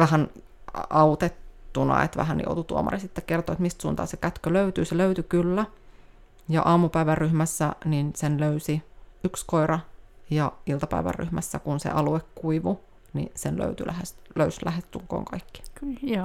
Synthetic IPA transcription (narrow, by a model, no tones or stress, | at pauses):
ʋæhæn | ʔɑut̪et̪ːunɑ̰ḛt̪ʋæ̰hæn̰jo̰ut̪ut̪uo̰mɑ̰risit̪ːekkert̪oːet̪mist̪suːnt̪ɑ̰ːsekæt̪køløyt̪yːseløyt̪ykylːæ | jɑ̰ʔɑːmupæiʋærːyhmæsːæninsenløysiykskoirɑjɑilt̪ɑpæ̰iʋæ̰rːy̰hmæsːækunsḛʔɑluekːuiʋu | nḭsenlø̰yt̪ylʔæhesløyslæhest̪t̪ːuŋko̰ːŋkɑikːi̥kː